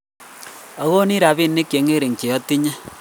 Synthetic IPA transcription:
a˨˦ɣo˦ni˦ɾa˨βi˦˨nːe˦ke˨˦ŋe˦ɾe˨ŋ˨t͡ʃe˨ɔ˦ti˦ɲa˦

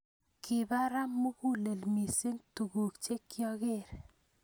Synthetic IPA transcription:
kʰɪ˨ba˦ɾa˦mːu˦ku˦le˨lmi˨si˦ŋtu˨ɡu˨kt͡ʃe˦kːjɔ˦ɣɪ˦˨ɾ

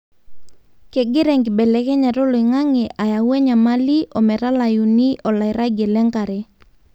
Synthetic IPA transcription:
kɛ˨ɡɪ˦ɾɛ˨ŋɡɪ˨ɓɛ˨lɛ˨kɛ˦ɲa˨ɾo˦lo˨i˨ŋa˦ŋɛ˨ʔa˨ja˨wɛ˦ɲa˨ma˦li˦ʔɔ˨mɛ˨ɾa˦la˨ju˨ni˦ʔɔ˨la˨i˨ɾa˦ɡɛ˨lɛ˦ŋka˨ɾɛ˨

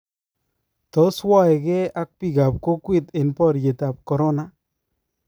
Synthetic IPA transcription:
t̪ɔ˨˦swa˦˨jɡɛ˦a˦k̚pi˨ɡa˨p̚ko˦kwi˦t̪ɪ˨npɔ˦ɾje˨t̪a˨p̚kɔ˨ɾɔ˦na˦

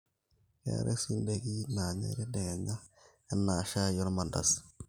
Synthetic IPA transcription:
kḛ˨˦ɾʔḛ˦si˦n˦de˨ɡi˦na˨ɲḛ˦ɾi˦de˨ɡa˨ɲa˦ | ɛ˦nːa˨ʃa˦jɔ˦ɾma˨nda̰˨s

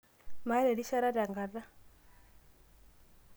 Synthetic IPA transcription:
ma˨˦lɛ˨di˦ʃa˦ɾa˦da˨ŋɡa˨ða˦

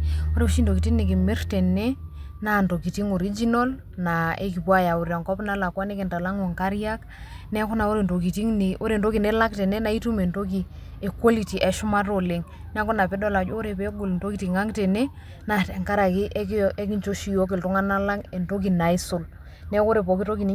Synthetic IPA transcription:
o˦ɾe˨˦ʃi˦ndo˨ki˨ti˦ŋnɪ˨k̬ɪ˨mɪ˦rtɛ˨ne˦ | na˨nto˨ki˨ti˦ŋo˨ɾi˦d͡ʒi˦nɔ˦l | na˨ḛ˦k̬i˨pwa˦ja˨u˨ɾja˨ŋkɔ˦pna˦la˨kwa˦ne˦kɪ˨nta˨la˦ŋo˨ŋka˦ɾja˦k | nɛ˦kʊ˦na˨o˦ɾe˨nto˨k̬i˨ti˦ŋni˨o˦ɾe˨ndo˦ki˨ne˦la˦ktɛ˨ne˦na˦i˦tu˦me˨nto˦k̬i˨ | e˨kwo˦li˨ti˨ʔɛ˨ʃʊ˦ma˦to˨lɪ˨ŋ | nɛ˦kʊ˦na˨pe˦dɔ˦˨la˨d͡ʒo˦o˦ɾe˨pe˦ɡu˨lnto˦ki˦ti˨ŋa˦ŋtɛ˨ne˦ | na˨tɛ˨ŋka˦ɾa˨ki˦ʔke˦k̬i˦ɲt͡ʃo˦ʃi˨jo˦k̬ɪ˨ltʊ˦ŋa˦na˦la˦ŋe˨nto˦k̬i˨na˨i˦sʊ˨l | nɛ˦ko˦ɾe˨pɔ˨ki˦to˦ki˨ni˦

